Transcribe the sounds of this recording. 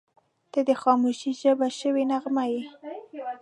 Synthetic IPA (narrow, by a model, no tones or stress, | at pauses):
d̪̥əd̪əxɑmuʃiʒəbaʃəwenaɣmaje